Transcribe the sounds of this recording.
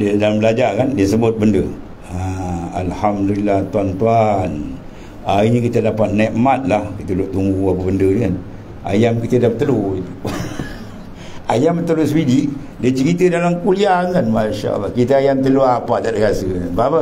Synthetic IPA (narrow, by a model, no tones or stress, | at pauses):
dədalambəlad͡ʒakandiəsəbʊt̪̚bəndə | aa̰lhamdulilːaht̪uant̪uan | ainikit̪əlapat̪̚nɛʔmat̪̚lahkit̪əluʔt̪umbuapəbəndədəŋan | a̰jamkit̪ədapət̪əluit̪u | ajamət̪əlʊsbidiʔ | diət͡ʃəɾit̪ədalamkuliakanmaʃa̰ʔə̰lːahkit̪əajamt̪̬əluapat̪adakasənbapa